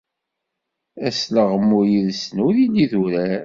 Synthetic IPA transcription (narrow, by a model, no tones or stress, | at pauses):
æsləʁəmːʊɾjiðsnuðiniðuɾæɾ